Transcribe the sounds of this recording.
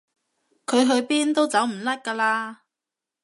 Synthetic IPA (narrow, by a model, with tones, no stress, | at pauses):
kʰɵ˨˧ɥɦɵ˧ɥpiː˥nt̪o˥wt͡sɐ˨˥wm̩˨˩lɐ˥t̚kaː˧laː˧